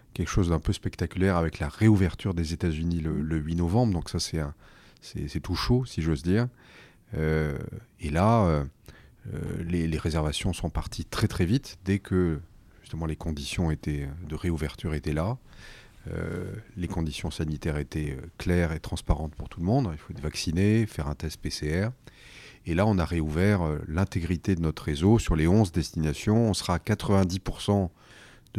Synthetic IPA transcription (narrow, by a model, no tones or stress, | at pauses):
kʲɛlkə̥ʃozd̪ɛ̃pøspɛkt̪akʲyljɛʁavɛklaʁeuvɛʁt̪yʁd̪ezet̪azynilələɥinɔvɑ̃bʁd̪ɔ̃ksasɛɛ̃ | sɛ̰sɛt̪uʃosiʒozd̪iːʁ | ø | elaø | ø̰leleʁezɛʁvasjɔ̃sɔ̃paʁt̪ʰit̪χɛt̪χɛvit̪d̪ɛkʰə | ʒ̥yst̪əmɑ̃lekɔ̃d̪isjɔ̃et̪ɛød̪əʁeuvɛʁt̪yʁet̪ɛla | ø̰lekɔ̃d̪isjɔ̃sanit̪ɛʁet̪ɛøklɛʁet̪χɑ̃spaʁɑ̃t̪puʁt̪uləmɔ̃d̪ɛ̃ilfoɛt̪vaksinefɛʁɛ̃t̪ɛst̪̚peseɛʁ | elaɔ̃naʁeuvɛʁølɛ̃t̪eɡʁit̪ed̪ənɔt̪χʁezosyʁleɔ̃zd̪ɛst̪inasjɔ̃ɔ̃səʁaːkat̪χəvɛ̃d̪ipuʁsɑ̃ | d̪